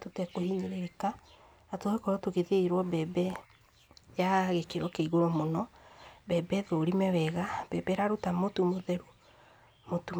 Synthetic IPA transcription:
totɛkohiɲeɾeɾeka | atoekɔɾɔtoɣeðeiɾwɔbɛbɛ | jaɣekeɾwɔkeiɣoɾɔmonɔbɛbɛðoɾimɛwɛɣab̥ɛbɛɾaɾutamotumoðɛɾu | motu

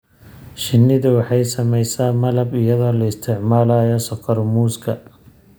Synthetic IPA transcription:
ʃɪnːɪðʊwɑħɑjsɐmɛjsaːmɐlɐbɪjɐðɔːlɐɪst̪ʰɪʕmaːlaːjɔsɔqʰɐɾmuːskʰɐ

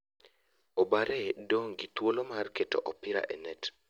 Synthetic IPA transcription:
obaɾʔɛdoŋɡit̪wolomarketo̰ʔɔpɪɾa̰ʔɛnɛt

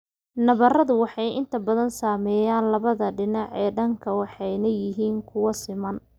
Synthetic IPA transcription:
nɐβɐrɐðʊwɑħɑjʔɪnt̪ʰɐbɐðɐnsaːmɛːjaːnlɐβɐðɐɖɪnɑʕɛːɖɐŋkʰɐwɑħɑjnɐjɪɦiːŋkʰʊwɐsɪmɐn

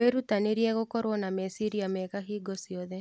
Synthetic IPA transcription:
eɾutaneɾiɛɣokɔɾwɔnamɛsiɾiamɛkaɦiɡɔsiɔðɛ

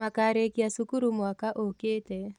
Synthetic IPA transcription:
akaɾekiasukuɾumwakaʔoketɛ

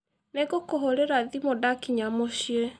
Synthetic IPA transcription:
neɡokoɦoɾeɾaðimodakiɲamoɕie

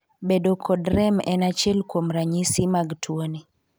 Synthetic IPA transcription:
bedokʰɔdɾɛmɛnat͡ʃelkwomɾaɲisimaɡtʰwoni

